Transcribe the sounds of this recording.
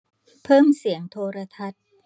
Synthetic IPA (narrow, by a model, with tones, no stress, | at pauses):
pʰɤː˥˩msi˩˦əŋt̪ʰoː˧ɾa˧t̪ʰa˦˥t̪̚